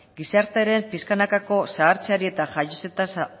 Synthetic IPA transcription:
ɡisaɾt̪eɾe̞mpiskanakako̞saːɾt͡seaɾie̞t̪aʝajoset̪as

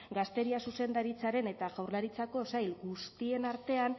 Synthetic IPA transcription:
ɡast̪e̞ɾiasuse̞nd̪aɾit͡saɾe̞ne̞t̪aɣawɾlaɾit͡sako̞sajlɡust̪ie̞naɾt̪e̞an

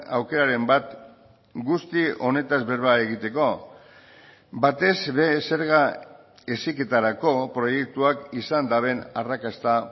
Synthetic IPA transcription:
a̰wke̞ɾaɾe̞mbat̪ | ɡust̪io̞ne̞t̪azβe̞ɾβaeɣit̪e̞ko̞ | bat̪e̞zβe̞se̞ɾɣa | e̞sike̞t̪aɾako̞pɾo̞je̞k̚t̪uakisand̪aβe̞narakast̪a

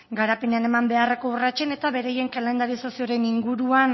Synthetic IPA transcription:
ɡaɾape̞ne̞ane̞mambe̞areko̞urat͡ʃe̞ne̞t̪aβe̞ɾeaje̞ŋkale̞nd̪aɾiso̞sio̞ɾe̞niŋɡuɾuan

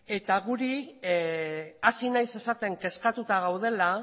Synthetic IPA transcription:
e̞t̪aɣuɾi | asinajse̞sat̪e̞ŋke̞skat̪ut̪aɣ̞awð̞e̞la

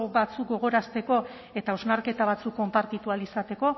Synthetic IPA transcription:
bat͡suk̚ɡo̞ɣ̞o̞ɾast̪e̞ko̞ | e̞t̪ao̞znaɾke̞t̪aβ̞at͡sukːo̞mpaɾt̪it̪ualisat̪e̞ko̞

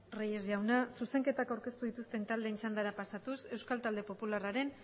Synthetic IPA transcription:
rejezʝawnasuse̞ŋke̞t̪akawɾke̞st̪uðit̪ust̪e̞nt̪ald̪e̞ːnt͡ʃand̪aɾapasat̪use̞wskalt̪ald̪e̞po̞pularaɾe̞n

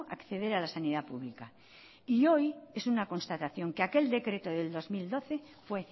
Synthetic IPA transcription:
akθeð̞e̞ɾalasaniðapuβlika | io̞jesunako̞nst̪at̪aθjo̞ŋkeake̞ld̪e̞kɾe̞t̪oðe̞ld̪o̞zmild̪o̞θe | fwe

